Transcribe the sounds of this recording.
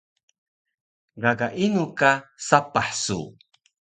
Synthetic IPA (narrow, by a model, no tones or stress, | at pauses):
ɡaɡaʔinukasapaħsṵ